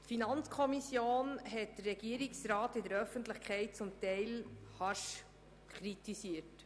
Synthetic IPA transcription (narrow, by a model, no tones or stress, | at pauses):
tfinɑnt͡skʰɔmisjoːnɦɛt̚d̥əɾːɛɡiəɾiksɾɑːtɪdəɾœfəntləχkʰɛɪt̚t͡sʊmtɛɪlhɑʃ | kχɾitisiət